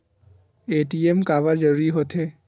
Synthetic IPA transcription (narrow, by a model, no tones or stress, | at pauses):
eʈiemkaβaɹd͡ʒɔɹiɦot̪ʰe